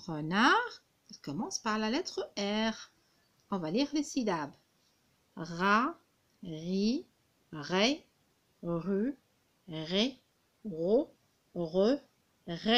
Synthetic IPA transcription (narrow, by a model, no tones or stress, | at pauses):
ʁənaʁ | ilkɔmɑ̃spaʁlalɛt̪χəɛʁ | ɔ̃valiʁlesid̪ab | ʁa | ʁi | ʁɛ | ʁy | ʁɛ | ʁo | ʁø | ʁe